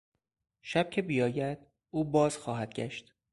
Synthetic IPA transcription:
ʃæb̥̚cʰe̞bijɒːjæd̪̥̚ | ʔuːbɒːz̥xɒːɦæd̪̥̚ɟʲæʃt̪

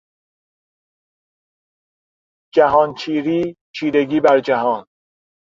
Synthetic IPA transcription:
d͡ʒæɦɒːnt͡ʃʰiːɾiːt͡ʃʰiːɾeɡiːbæɾd͡ʒæɦɒːn

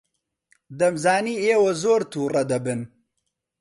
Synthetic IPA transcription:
d̪ɐmzaːniːeːwɐzoːɾt̪ʰuːrɐd̪ɐbɨn

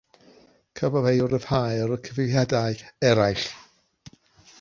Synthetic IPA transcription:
kʰəvavejʊɾəvhajɾəkʰəvɪvjadaɨɛɾajɬ

